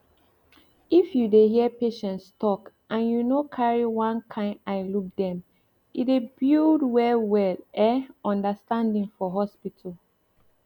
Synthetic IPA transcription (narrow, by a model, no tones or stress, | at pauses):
ifjudeɦiəpeʃɛ̃ntstʰɔk | ʔãnjunokʰaɹiwãnkʰãɪaɪluk̚dɛ̃m | idebildwɛwɛlɛɔ̃ndəstãndĩŋfɔɦɔspitʰal